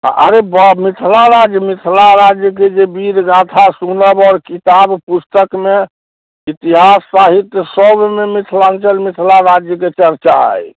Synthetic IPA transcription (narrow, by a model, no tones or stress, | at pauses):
ʔə̰ɾebəmit̪ʰlaɾad͡ʒjəmit̪ʰlaɾad͡ʒjək̬ed͡ʒebiɾɡat̪ʰasunəbɔːɾkit̪abpust̪əkme | it̪iɦasːaɦit̪jəsəbmemit̪ʰlant͡ʃəlmit̪ʰlaɾad͡ʒjəket͡ʃəɾt͡ʃa̰j